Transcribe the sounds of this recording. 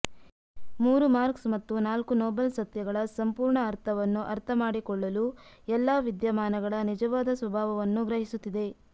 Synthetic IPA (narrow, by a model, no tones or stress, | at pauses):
muːɾumaːɾksmɐt̪ːunaːlkunɔːbɐlsɐt̪jɐɡɐɭɐsɐmpuːɾɳɐːɾt̪ʰɐʋɐnːuʔɐɾt̪ʰɐmaːɽikɔɭːɐluɛlːaːʋid̪jɐmaːnɐɡɐɭɐnid͡ʒɐʋaːd̪ɐsʋɐbʱaːʋɐʋɐnːuɡɾɐɦisut̪ːid̪e̞